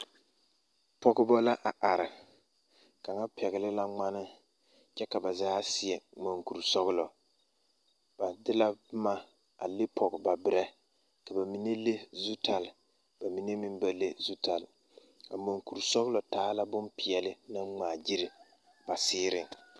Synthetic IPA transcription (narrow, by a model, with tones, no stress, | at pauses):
pɔ˦ɣʊ˦bɔ˦la˦ʔa˨ʔa˨ɾɪ˨ | ka˨ŋa˦pʰɛ˨ɣɪ˨lɪ˦la˦ŋ͡ma˦nɪ˦ | t͡ʃɛ˦ka˨ba˨zaː˦sɪ˨ɛ˨ŋ͡mo˨ŋku˨ɾsɔ˦ɣɪ˦lɔ˨ | b̥a˨dɪ˦la˦ma˦ | a˨lɪ˦pʰɔ˨ɡɪ˨ba˨bɪ˨ɾɛ˦ | ka˨ba˨mi˨ne˦le˦zu˦tʰa˨l | ba˨mi˨ne˦mɪ˦nba˦le˦zu˦ta˨l | ka˨mo˨ŋku˨ɾsɔ˦ɣʊ˦lɔ˨taː˨˦la˦bʊ˦npi˨ɛ˨lɪ˦na˦ŋ͡maː˨d͡ʒi˦ɾɪ˨ | b̥a˨sɪː˦ɾɪ˦ŋ